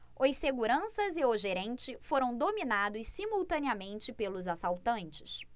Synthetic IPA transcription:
ojseɡuɾɐ̃sɐzɪoʒeɾẽnt͡ʃɪfoɾɐ̃w̃d̪ominad̪ʊssimuwt̪ɐ̃niɐmẽnt͡ʃɪpelʊzasawt̪ɐ̃nt͡ʃɪs

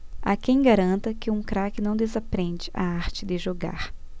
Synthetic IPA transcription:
a̰kẽj̃ɡaɾɐ̃nt̪ɐkɪũkɾakɪnɐ̃w̃d̪ezapɾẽnd͡ʒɪʔa̰aɾt͡ʃɪd̪ɪʒoɡa̰ɾ

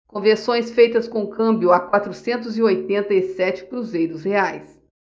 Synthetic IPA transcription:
kõveɾsõj̃sfejt̪ɐskõkɐ̃mbjʊakwat̪ɾʊsẽnt̪̬ʊzɪojt̪ẽnt̪ɐisɛt͡ʃɪ̥kɾuzejɾʊsheajs

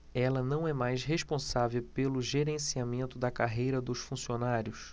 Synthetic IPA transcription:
ɛlɐnɐ̃w̃ɛmajsɦeʃpõsavewpelʊʒeɾẽsiamẽnt̪ʊd̪ɐkaɦejɾɐd̪ʊʃfũsionaɾjʊs

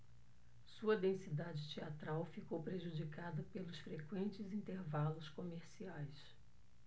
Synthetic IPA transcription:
suɐd̪ẽsid̪ad͡ʒɪt͡ʃiat̪ɾawfikowpɾeʒud͡ʒikad̪ɐpelʊsfɾekwẽnt͡ʃɪzĩnt̪eɾvalʊskomeɾsiajs

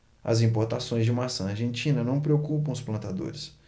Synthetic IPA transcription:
ɐ̰zĩpoɾt̪asõj̃zd͡ʒɪmasɐ̃aɾʒẽnt͡ʃĩnɐnɐ̃w̃pɾeokupɐ̃w̃ʊsplɐ̃nt̪ad̪o̰ɾɪs

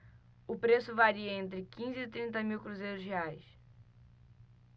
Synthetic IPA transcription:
ʊpɾesʊvaɾiɐẽnt̪ɾɪkĩzɪːt̪ɾĩnt̪ɐmiwkɾuzejɾʊzɦeajs

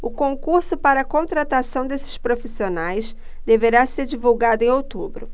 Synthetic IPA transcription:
ʊkõŋkuɾsʊpaɾɐkõnt̪ɾat̪asɐ̃w̃d̪esɪ̥ʃpɾofisionajs | d̪eveɾaseɾd͡ʒivuwɡad̪ʊẽowt̪ubɾʊ

